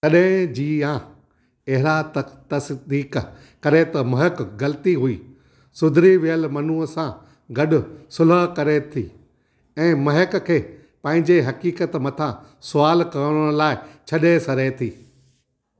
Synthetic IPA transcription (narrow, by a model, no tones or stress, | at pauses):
t̪ɐɗɦɪ̃d͡ʑiːã | ɐɦɪɾat̪t̪ɐsd̪iːk | kɐɾet̪ɐmɐɦɪkɡɐlət̪iɦuiː | sʊd̪ʱɾiʋijəlmɐnuːəsã | ɡɐɗʊ̆sʊləɦkɐɾet̪ʰḭː | ɛ̃ːmɐɦɪkkʰeː | pɐ̃ɦɪ̃ɲd͡ʑeɦɐkiːkət̪mɐt̪ʰã | sʊaːlkɐəɽɽ̃laːɪt͡ɕʰɐɗesɐɾet̪ʰiː